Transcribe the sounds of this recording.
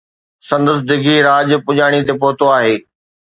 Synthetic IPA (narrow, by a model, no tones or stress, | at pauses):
sɐ̃nd̪əs̬d̪ɪɡʱiɾaːd͡ʑpʊʄaːɽ̃it̪epɔɦʊt̪oaːɦeː